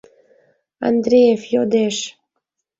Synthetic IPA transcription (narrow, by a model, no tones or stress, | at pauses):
ɑ̰nd̪ɾʲejefjod̪eʃ